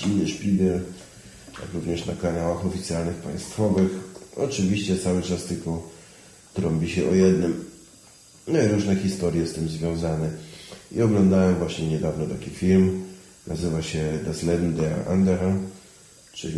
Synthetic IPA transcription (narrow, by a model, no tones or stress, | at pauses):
inːɘʂpʲiɡɛl | ja̰kɾuvɲɛʂna̰kanawaxɔfʲit̪sʲjalnɘxpa̰j̃st̪fɔvɘxɔ̰t͡ʂɘvʲiɕt͡ɕɛt̪sawɘt͡ʂast̪ɘlkɔ | t̪ɾɔmbʲiɕɛʔɔjɛd̪nɘm | nɔiɾuʐnɛxʲist̪ɔɾjɛst̪ɘmzvʲjɔ̃w̃zanɛḭɔɡlɔnd̪awɛmvwaɕɲɛɲɛd̪avnɔt̪akʲifʲilm | nʔazɘvaɕɛd̪aslɛd̪id̪ɛa̰ʔa̰nd̪ɛɾal | t͡ʂɘ